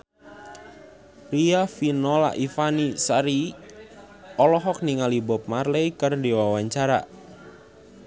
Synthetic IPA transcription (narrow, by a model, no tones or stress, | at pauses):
riafinɔla̰ʔifanisaɾi | ɔlɔɦɔk̚niŋalibɔp̚marleikɨrdiwawaɲt͡ʃaɾa̰